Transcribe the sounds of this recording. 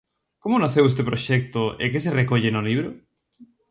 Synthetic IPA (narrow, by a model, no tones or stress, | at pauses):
komʊnaθewes̬t̪epɾoʃɛk̚t̪oḛkes̬erekoʎenoliβɾʊ